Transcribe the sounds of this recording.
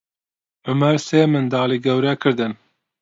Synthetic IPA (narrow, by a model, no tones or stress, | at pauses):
ʊmɐɾseːmɨnd̪ɑːliːɡɛwɾɛkʰɨɾd̪ɨn